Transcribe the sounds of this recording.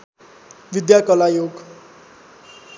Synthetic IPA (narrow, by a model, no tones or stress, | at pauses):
ʋid̪jakʌlajoɡ